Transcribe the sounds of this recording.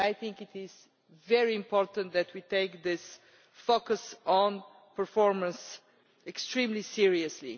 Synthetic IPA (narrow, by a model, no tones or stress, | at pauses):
ajθɪ̃ŋkɪt̪ɪz | vɛɹiɪ̃mpɔɹt̪ə̃nt̪̚ðɨtʰwiteɪk̚ðɪs | fokəsɔ̃n | pə˞fɔɹmə̃ns | ɛkstɹĩmlisiɹiɨslḭ